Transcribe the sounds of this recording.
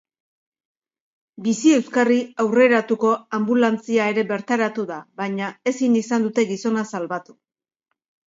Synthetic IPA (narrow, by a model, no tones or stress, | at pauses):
bisie̞wskariawre̞ɾat̪uko̞ambulant͡siae̞ɾe̞βe̞ɾt̪aɾat̪uðaβaɲae̞sinisand̪ut̪e̞ɣiso̞nasalβat̪u̥